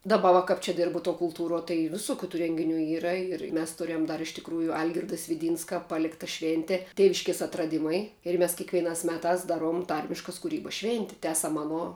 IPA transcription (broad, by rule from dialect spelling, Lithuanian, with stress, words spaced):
dɐˈbɐ ʋɐ kɐp ˈt͡ʃʲɛ ˈdʲɪrbʊ tuɔ kʊlˠˈtuːruɔ tɐɪ ʋʲɪˈsʊkʲʊ tuː ˈrʲɛŋʲɡʲɪˌnʲuː ˈiːrɐ ɪr mʲɛs ˈtʊrʲɛm ˈdɐr ɪʃ tʲɪkˈruːjʊ ˈɐlʲɡʲɪrdɐ sʲʋʲɪˈdʲiːnskɐ ˈpɑːlʲɪktɐ ˈʃʲʋʲeːnʲtʲɛ ˈtʲeːʋʲɪʃʲkʲeːs ɐtrɐˈdʲɪmɐɪ ɪr ˈmʲɛs kʲɛkʋʲiɛˈnɑːs ˈmʲæːtɑːs ˈdɑːˌruɔm ˈtɐrʲmʲɪʃkɐs kʊˈrʲiːbɐs ˈʃʲʋʲeːnʲtʲɪ ˈtʲæːsɐm ˈɑːˌnoː